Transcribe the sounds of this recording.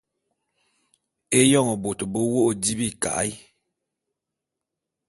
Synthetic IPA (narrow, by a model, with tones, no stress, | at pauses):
e˦jɔ˦˨ŋɔ˨bo˨to˨bo˦wo˦ʔo˨di˦bi˦˨ka̰˨ʔj